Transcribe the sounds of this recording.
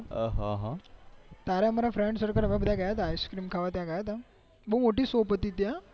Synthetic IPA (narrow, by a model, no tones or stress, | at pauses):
ɦã̰ɦãt̪aɾjãməɾafɾeɳɖsəɾkəɾəbabəd̪ʱakajat̪ajskɾiːmkʰaʋat̪jãkajat̪a | bʱəmoʈiːsəwpət̪iːt̪ja